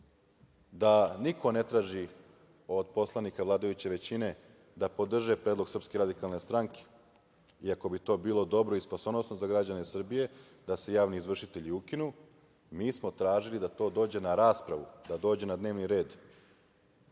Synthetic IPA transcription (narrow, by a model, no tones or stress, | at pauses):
d̪anikʰo̞ne̞t̪ɾaːʒi | o̞d̪po̞slˠanikaʋlˠaːd̪ajut͡ɕe̞ʋe̞t͡ɕine̞ | d̪apo̞d̪r̩ʒepɾeːd̪lˠoɡ̥sr̩pskeɾad̪ikalˠne̞st̪ɾaŋke̥ | iako̞bit̪o̞ːbiːlˠo̞d̪o̞bɾoispasonosno̞zaɡɾad͡ʑane̞sr̩bije̞ | d̪ase̞jaːʋniːzʋr̩ʃit̪e̞ʎiukinu | miːsmo̞t̪ɾaːʒilid̪at̪o̞ːd̪oːd͡ʑe̞naɾaːspɾaʋṵd̪ad̪oːd͡ʑe̞nad̪neːʋniɾe̞ːd̪